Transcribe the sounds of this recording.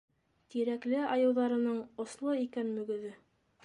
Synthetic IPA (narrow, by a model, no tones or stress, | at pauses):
t̪iɾæklɘɑjɤ̆wðɑɾɤ̆nɤɴŏslˠoikænmɵ̆ɡɵ̆ðɘ